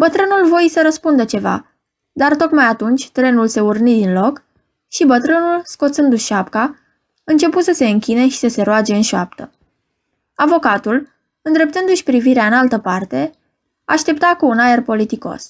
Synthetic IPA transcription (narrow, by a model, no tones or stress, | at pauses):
bət̪ɾɨnulvojsəɾəspund̪ət͡ʃe̞va̰ | d̪art̪o̞k̪majat̪unt͡ʃʲt̪ɾenulse̞urnid̪inlo̞k | ʃibət̪ɾɨnulsko̞t̪sɨnd̪uʃapka | ɨnt͡ʃe̞put̪səse̞ɨŋkʲine̞ʃi̥səse̞ɾoad͡ʒe̞ɨnʃoap̚t̪ə | avo̞kat̪ul | ɨnd̪ɾe̞p̚t̪ɨnd̪uʃʲpɾiviɾeaɨnalt̪əpart̪e̞ | a̰ʃt̪e̞p̚t̪akuːnae̞rpo̞lit̪iko̞̰s